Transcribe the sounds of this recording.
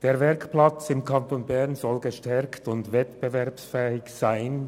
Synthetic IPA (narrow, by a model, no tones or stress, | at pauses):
d̥eːɐvɛʁkplat͡sɪmkʰantoːnbɛʁnzɔlɡəʃtɛʁktʊndvɛtb̥evɛɐpsfɛːɪçz̥aɪn